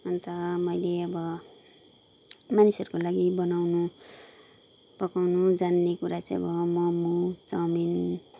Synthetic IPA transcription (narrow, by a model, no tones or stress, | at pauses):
ʌnt̪ʌmʌjleʌbʌ | manisʌɾukolaɡibʌnawnu | pʌkawnud͡zanːekuɾat͡saj̃ʌ̰bʌmʌmut͡sʌmin